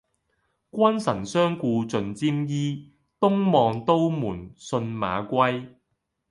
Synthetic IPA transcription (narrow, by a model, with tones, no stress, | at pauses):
kʷwɐ˥nsɐ˨˩nsœː˥ŋkuː˧t͡sɵ˧nt͡siː˥mjiː˥ | t̪ʊ˥ŋmɔː˧ŋt̪o˥wmuː˨˩nsɵ˧nma̰ː˨˧kʷɐ˥j